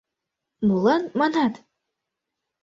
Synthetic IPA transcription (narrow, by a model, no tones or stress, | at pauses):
mulˠɑnmɑnɑt̪